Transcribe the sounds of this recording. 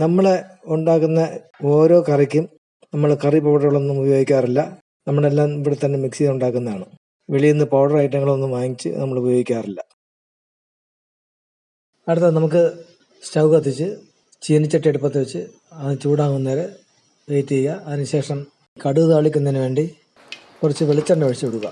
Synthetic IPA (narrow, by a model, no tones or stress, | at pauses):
nɐmːɐɭeuɳɖaːkːunːɐ | o̞ːɾo̞ːkɐrikʲːum | nɐmːɐɭkɐripoːɖɐrɐɭo̞nːumubɐjo̞ːɡikʲːaːrilːɐ | nɐmːɐɭelːaːmipːiɽet̪ːɐnːemiksiɣɐuɳɖaːkːunːɐðaːɳɨ | ʋeɭijunːɐpoːɽɐrɐjiʈːɐŋːɐɭo̞nːumʋaːŋːit͡ɕːɨ̰nɐmːɐɭubɐjo̞ːɡikʲːaːrilːɐ | ɐɽut̪ːɐnɐmuk̬ːɨ | sɐwɡɐt̪ːit͡ɕːɨ | t͡ɕinit͡ɕːɐʈːieɽupːɐt̪ːɐʋɐt͡ɕːɨ | ɐt͡ɕuːɽaːŋunːɐɾe | ejt̪ːijejɐːðinɨɕe̞ːʂɐm | kɐɽuðaːɭikʲːunːɐðnɨʋeːɳɖi | kurɐt͡ɕːɨʋeɭit͡ɕːɐɳɖɐʋɐɻɕɐuɽuɣɐ̰